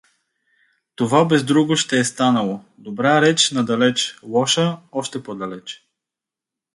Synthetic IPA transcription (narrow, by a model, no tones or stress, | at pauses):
t̪ovabɛzd̪ɾuɡʊʃt̪ɛɛst̪anəlˠo | d̪obɾaɾɛt͡ʃnɐd̪ɐlɛt͡ʃlˠɔʃəɔʃt̪ɛpod̪ɐlɛt͡ʃ